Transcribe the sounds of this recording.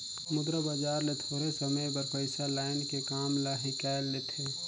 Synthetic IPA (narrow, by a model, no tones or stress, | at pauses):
mʊd̪ɾəbad͡ʒaːɾlet̪ʰoːɾesəməjbəɾpəɪsalaːɪnkekaːmlaɦikaelːet̪ʰe